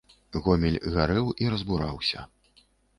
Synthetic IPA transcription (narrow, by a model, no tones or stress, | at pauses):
ɣɔmʲilʲɣaɾɛwiɾɐzbuɾawsʲɐ̰